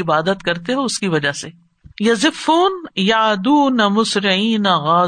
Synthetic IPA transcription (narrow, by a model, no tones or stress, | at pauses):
ɪbaːd̪ət̪kɐɾt̪eɦɛʊskiʋɐd͡ʒase | jɐzɪfːuːnjaʕd̪uːnɐmʊsɾɪʕiːnɐɣaː